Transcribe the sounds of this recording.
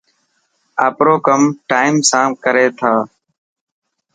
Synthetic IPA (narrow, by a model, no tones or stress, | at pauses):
aːpɾoːkəmʈaːɪmsãːkəɾeːt̪ʰaː